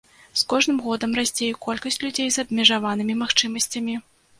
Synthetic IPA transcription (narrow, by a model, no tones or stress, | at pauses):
skɔʐnɨmɣɔd̪ɐmrasʲt͡sʲejɛkɔlʲkɐsʲt͡sʲlʲud͡zʲejzɐbmʲɛʐavanɨmʲimaxt͡ʂɨmɐsʲt͡sʲɐmʲi